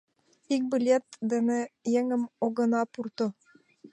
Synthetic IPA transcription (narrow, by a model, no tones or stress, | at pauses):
ik̚bʲilʲet̪d̪ɘ̆nɘ̆jeŋɘ̆moɡɤ̆nɑpurt̪ŏ